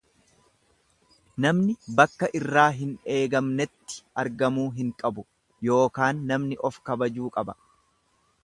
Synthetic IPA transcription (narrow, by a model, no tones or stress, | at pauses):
nɐmnɪbɐkːɐʔɪrːaːɦɪne̞ːɡɐmnɛt̪ːɪ̥ɐɾɡɐmuːɦɪŋkʼɐbʊ | jo̞ːkaːnːɐmnɪʔɔfkɐbɐd͡ʒuːkʼɐbɐ